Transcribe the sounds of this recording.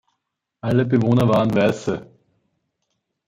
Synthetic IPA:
ɐlːəbeʋoːnɐʋaːənʋɛːlsə

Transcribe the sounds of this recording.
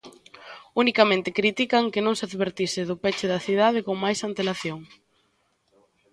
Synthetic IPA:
unikamẽnt̪ɪkɾit̪ikɐŋkenõŋsaðβeɾt̪isɪðʊpɛt͡ʃɪðɐθið̞aðɪkoŋmajsant̪elaθjoŋ

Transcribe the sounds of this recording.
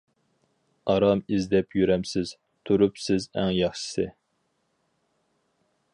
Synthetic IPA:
ɑɾɑmizd̪ɛpjyɾɛmsɪz̥ | t̪ʰuɾupsɪzæ̰ŋjɑχʃɨ̥sɪ

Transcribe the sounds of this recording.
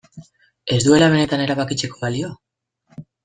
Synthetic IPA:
e̞zd̪ue̞laβ̞e̞ne̞t̪ane̞ɾaβakit͡se̞ko̞βalio̞

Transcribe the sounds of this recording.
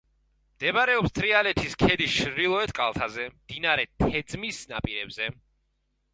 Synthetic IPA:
md̪̥ɛbɾɛɔpst̪ʰɾialɛt̪ʰiskʰɛd̪iʃɾilˠɔɛt̪ʼkʼalˠt̪ʰazɛmd̪̥inaɾɛt̪ʰɛd̪zmisna̰pʼiɾɛbzɛ

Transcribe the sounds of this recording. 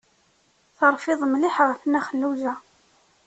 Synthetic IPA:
θəɾˤfɪðˤmlɪħʁəfnːæχənːuzæ

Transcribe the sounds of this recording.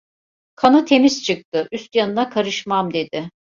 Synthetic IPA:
kʰanɯt̪ʰe̞miz̥t͡ʃʰɯk̚t̪ɯʔyst̪janɯnakʰaɾɯʃmamd̪e̞d̪ɪ

